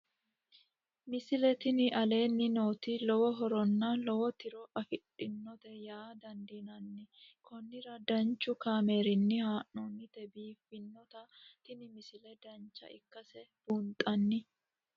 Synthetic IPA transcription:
mɪsɪlɛt̪ɪnɪʔɐle̞ːnːɪno̞ːt̪ɪlɔwɔɦɔɾɔnːɐlɔwɔt̪ɪɾɔʔɐfɪᶑɪnːɔt̪ɛjaːd̪ɐnd̪iːnɐnːɪkʰɔnːɪɾɐd̪ɐnt͡ʃːʊkaːme̞ːɾɪnːɪhaːʔɔnːɪt̪ɛbiːfːɪnːɔt̪ɐt̪ɪnɪmɪsɪlɛd̪ɐnt͡ʃːɐ̰ɪkːɐsɛb̥uːnt̪ʼɐnːɪ

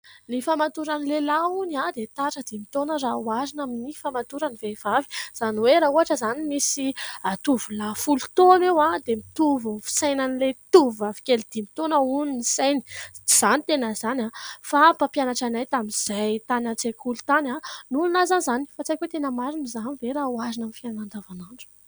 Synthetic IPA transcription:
nifamat̪uɾanilelaunad̪et̪aʈ͡ʂəd̪imit̪onəɾawaɾinaminifamat̪uɾanivevavi̥z̥aniweɾauɦaʈ͡ʂəzanimisiat̪uvulafulut̪onewad̪emit̪uvufi̥sajnanilet̪uvavi̥kʲelid̪̥imit̪onəuninisajni̥ | z̥anit̪enəzanʲafapapjanaʈ͡ʂanajt̪amiz̥ajt̪anat͡sekʰulut̪ananulunazanzani̥fat͡sakʲwet̪enəmaɾinizaniveɾauazinamifianand̪avanaɳɖ͡ʐu̥

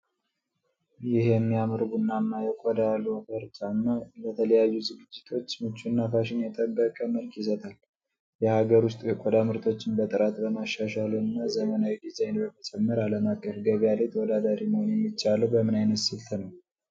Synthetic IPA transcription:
jɪhjɛmːijamɨɾɡunːanːajɛkʷʼɔd̪alufəɾt͡ʃʼanːalət̪ʰələjajːuzɨɡɨd͡ʒːɪt̪ʰo̞t͡ʃːmɨt͡ʃːunːafaʃɪnjɛt̪ʼəbːəkʼəməlkʰjɪs̬ət̪ʰʼal | jɛhaɡəɾwʊst̪ʼkʼɔd̪amɨɾt̪ʰo̞t͡ʃːɪnbət̪ʼɨɾat̪bəmaʃːaʃaluɨnːazəmənawid̪izajnbəmət͡ʃʼɛmːəɾaləmakʼːəfɡəɡalet̪ʰəwɔd̪ad̪aɾiməhonjɛmːit͡ʃːaləwbəmɨnajnət̪sɨlt̪ʰənəw

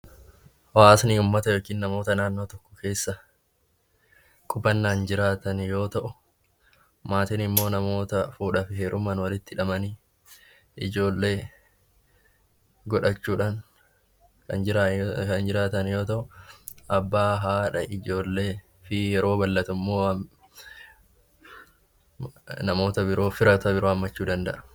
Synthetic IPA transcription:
waːsniʊmːɐt̪ɐjo̞ːkiːnːɐmo̞ːt̪ɐnaːnːo̞ːt̪ɔkːɔ̥ke̞ːsːɐ | kʼʊbɐnːaːnd͡ʒɪɾaːt̪ɐnjo̞ːt̪ɐʔʊ | maːt̪ɪnɪmːo̞ːnɐmo̞ːt̪ɐfuːᶑɐfheːɾʊmɐnwɐlɪt̪ːɪᶑɐmɐni | ʔɪd͡ʒo̞ːlːe̞ː | ɡɔᶑɐt͡ʃːuːᶑaːn | kɐnɪkɐnd͡ʒɪɾaːt̪ɐnjo̞ːt̪ɐʔʊʔɐbːaːɦaːᶑɐʔɪd͡ʒo̞ːlːeː | fɪjɛɾo̞ːbɐlːɐt̪ʊmːoː | nɐmo̞ːt̪ɐbɪɾo̞ːfɪɾɐt̪ɐbɪɾo̞ːɐmːɐt͡ʃːuːd̪ɐnd̪ɐʔɐ̥

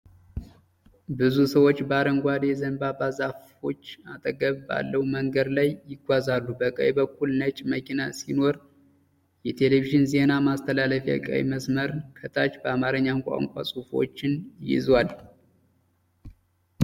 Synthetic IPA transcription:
bɨzusəwo̞t͡ʃːbəaɾəŋɡʷad̪jɛzənbabazafo̞̰t͡ʃːat̪ʼəɡəβba̰lːəwməŋɡəd̪lajːɪɡʷazalːubəkʼə̰wbəkːulnət͡ʃʼməkʰinasino̞ɾ | jɛt̪ʰe̞leviʒɪnze̞namast̪ʰəlaləfja̰kʼə̰w̰məsməɾkʰət̪ʰat͡ʃbəamaɾəɲːankʷʼa̰ŋkʷʼa̰sʼufo̞̰t͡ʃːɪnjɪ̰zwal

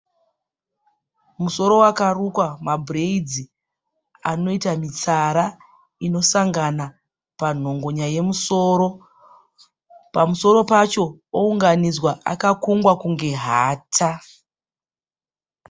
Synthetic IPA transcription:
muso̞ɾo̞wakarukwamabʱreid͡zi | ano̞itamit͡saɾa | ino̞saŋɡana | pan̤o̞ŋɡo̞ɲaje̞muso̞ːɾo̞ | pamuso̞ɾo̞pat͡ʃo̞ouŋɡanid͡zwaʔa̰kakuŋɡwakuŋɡe̞ɦaːtʰa

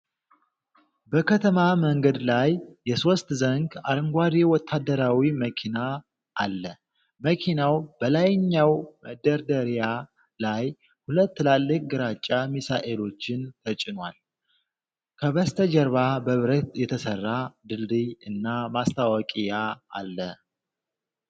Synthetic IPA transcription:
bəkʰət̪ʰəmaməŋɡəd̪lajːɛso̞st̪zəŋɡaɾɨŋɡʷad̪iwɔt̪ʰːad̪ːəɾawiməkʰina | ʔːlːə | məkʰinawb̥əlajɲːawməd̪ːəɾd̪əɾija | laj | hulət̪ːlalːɨkʼɡɨɾat͡ʃʼːamisaʔe̞lo̞t͡ʃːɪnt̪ʰət͡ʃʼɪnwal | kʰəβəst̪ʰəd͡ʒɛɾβabəβɨɾət̪jɛt̪ʰəsərːad̪ɨld̪ɨjɨnːamast̪ʰawɔkʼijaa̰lːə

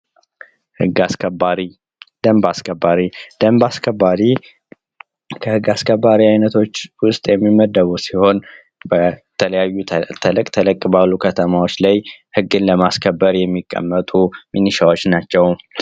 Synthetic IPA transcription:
hɨɡːaskʰəbaɾi | d̪əmbaskʰəbːaɾid̪̥əmbaskʰəbːaɾi | kʰəhɨɡːaskʰəbːaɾiajnət̪ʰo̞t͡ʃːwʊst̪ʼjɛmːiməd̪əβusiho̞n | bət̪ʰələjajːut̪ʰəlɨkʼt̪ʰələkʼːbalːukʰət̪ʰəmawo̞t͡ʃːlajhɨɡːɨnləmaskʰəbːəɾjɛmːikʼːə̰mːət̪ʼuminiʃawo̞t͡ʃːnat͡ʃːɛw

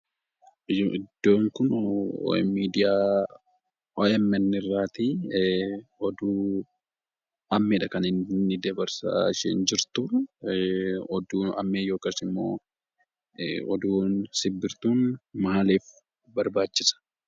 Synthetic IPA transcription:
ɪd̪̥ːoːŋkʊn̰ | miːd̪ɪjaː | oɛmɛnːɪrːaːt̪i | ɔd̪uː | ɐmːɪᶑɐkɐnɪnːɪd̪ɐbɐɾsa̰ːʃɛnd͡ʒɪɾt̪ʊ | ɔd̪uːɐ̰mːeːjo̞ːkasɪmːo̰ː | ɔd̪uːnsɪbːɪɾt̪uːnmaːleːf | bɐɾbaːt͡ʃːɪsɐ̥

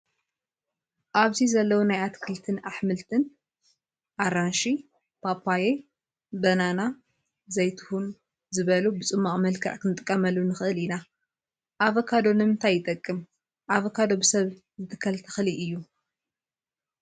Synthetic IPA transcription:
ʔaβzizɐlːɐwunajat̪kʰɨlt̪ʰɨnaħmɨlt̪ʰɨn | ʔaɾanʃi | pʰapʰːaje | bɐnana | zɐjt̪ʰu̥hun | zɨβɐlubɨt͡sʼɨmːaχʼmɐlkʰɐ̰ʕkʰɨnɨt̪ʼɨkʼːɐmɐlːunɨxɨʔɨlina | ʔaβɐkʰad̪o̞nɨmɨnt̪ʰajːɪt̪ʼɐkʼːɨm | ʔaβɐkʰad̪o̞bɨsɐβ | zɨt̪ʰɨ̥kʰːɐlt̪ʰɐ̥xliʔɨjːu

